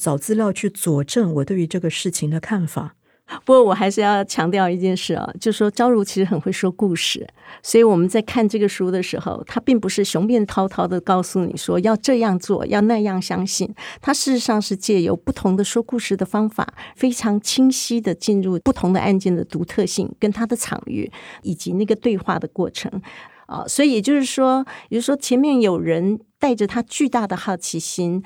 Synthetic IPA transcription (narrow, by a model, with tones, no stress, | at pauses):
t͡sɑ˨˩ʊt͡sɹ̩˥˧ljɑ˥˧ʊt͡ɕʰy˥˩t͡swɔ˨˩ʈ͡ʂə˥˩ŋwɔ˨˩t̪we˥˩ɪy˧˥ʈ͡ʂɤ˥˩ɡə˩ʂɻ̩˥˩t͡ɕʰi˧˩ŋd̪ə˧kʰa˥˩nfa̰˨˩˦ | pu˧˥kwɔ˥˩wɔ˨˩xa˧˥ɪʂɻ̩˥˧jɑ˥˩ʊt͡ɕʰjɑ˧˥ŋt̪jɑ˥˧ʊi˥˧t͡ɕjɛ˥˧nʂɻ̩˥˩ɑ̰˨˩t͡ɕjo˥˧ʊʂ̩˥˩ʂwɔ˥ʈ͡ʂɑ˥ʊɻu˧˥t͡ɕʰi˧˥ʂɻ̩˧˥xə˨nxwe˥˩ɪʂwɔ˥ku˥˧ʂɻ̩˥˩swɔ˧˥i˧˥wɔ˨˩mə˦nt͡sa˥˧ɪkʰa˥˧nʈ͡ʂɤ˥˩ɡə˩ʂu˥d̪ə˨ʂɻ̩˧˥xo̰˧ʊt̪ʰa˥pi˥˩ŋpu˧˥ʂɻ̩˥˩ɕjʊ˧˥ŋpjɛ˥˩nt̪ʰɑ˥ʊt̪ʰɑ˥ʊd̪ə˨kɑ˥˩ʊsu˥˩nḭ˨˩ʂwɔ˥jɑ˥˧ʊʈ͡ʂɤ˥˧jɑ˥˧ŋt͡swɔ̰˥˩jɑ˥˧ʊna˥˧jɑ˥˩ŋɕjɑ˥ŋɕi˥˩nt̪ʰa˥ʂɻ̩˥˧ʂɻ̩˧˥ʂɑ˥˧ŋʂɻ̩˥˧t͡ɕjɛ˥˩jo̰˧˥ʊpu˥˩t̪ʰʊ˧˥ŋd̪ə˧ʂwɔ˥ku˥˧ʂɻ̩˥˩d̪ə˩fɑ˥ŋfa̰˨˩˦fe˥ɪʈ͡ʂʰɑ˧˥ŋt͡ɕʰi˥ŋɕi˥d̪ə˨t͡ɕi˥˧nɻu˥˩pu˥˩t̪ʰʊ˧˥ŋd̪ə̰˧ʔa˥˧nt͡ɕjɛ˥˩nd̪ə˩t̪u˧˥t̪ʰɤ˥˧ɕḭ˥˩ŋkə˥nt̪ʰa˥d̪ə˨ʈ͡ʂʰɑ̰˨˩ŋy̰˥˩i˨˩t͡ɕi˧˥na˥˩ɡə˩t̪we˥˧ɪxwa̰˥˩d̪ə˩kwɔ˥˩ʈ͡ʂʰɤ̰˧˥ŋ | ə̰˧swɔ˧˥i˧˥jɛ˨˩t͡ɕjo˥˧ʊʂɻ̩˥˩ʂwɔ˥jt͡ɕo˥ʊʂ̩˥˩ʂwɔ˥t͡ɕʰjɛ˧˥nmjɛ˥˩njo˨˩ʊɻə˧˥nt̪a˥˩ɪʈ͡ʂə˩t̪ʰa˥t͡ɕy˥˧t̪a˥˩d̪ə˩xɑ˥˩ʊt͡ɕʰi˧˥ɕi˥n